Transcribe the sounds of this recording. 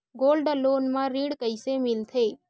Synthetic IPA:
ɡoːlɖəloːnmãɾĩːɽkəɪsemɪlt̪ʰe

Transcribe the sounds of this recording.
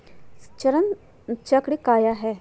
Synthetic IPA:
t͡ɕəɾən | t͡ɕakɽiːkajaɦɛ

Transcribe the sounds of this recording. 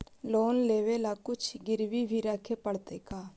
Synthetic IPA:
loːnleːʋeːlaːkʊt͡ʃʰɡɪɾʋiːbʱiːɾəkʰːeːpəɽt̪eːkaː

